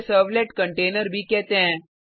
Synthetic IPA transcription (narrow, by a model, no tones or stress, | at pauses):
səɾʋleʈkəɳʈeːnəɾbʱiːkɛt̪ẽɛ̃